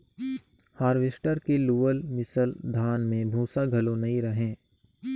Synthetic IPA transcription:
haːɾʋɪsʈəɾkeluːəlmɪsəld̪ʱaːnmẽbʱũːsaɡʱɐlõnɐɦĩɾɐɦẽː

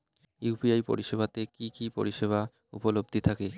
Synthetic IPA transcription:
jupiajpo̰ɾiʃebʱat̪ekikipo̰ɾiʃeβʱa | ṵpolob̚d̪ʱit̪ʰake

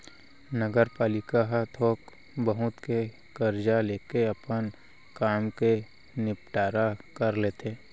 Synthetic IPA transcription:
nəɡəɾpaːlɪkaɦt̪ʰoːk | bəɦʊt̪ke | kəɾd͡ʒaleːkeɐpən | kaːmke | nɪpʈaːɾakəɾleːt̪ʰeː

